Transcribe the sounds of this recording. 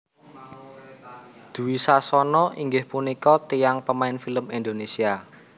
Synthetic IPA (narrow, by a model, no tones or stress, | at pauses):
d̪̥ṳwisasɔnɔʔiŋɡɪhpunikɔt̪ijaŋpəmaɪnfiləmind̪onesia